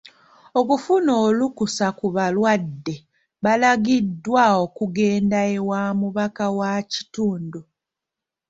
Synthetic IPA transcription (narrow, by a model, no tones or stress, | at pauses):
o̞kufuno̞ːlukusakuβalwadːe | βalaɡidːwaokuɡe̞ːndaewaːmuβakawaci̥tuːndu